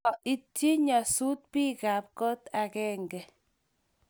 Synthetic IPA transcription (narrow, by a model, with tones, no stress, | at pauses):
i˦tji˦ɲɔ˨su˦t̚pi˦ka˨p̚kɔ˦ta˨kɛː˦ŋɡɛ˨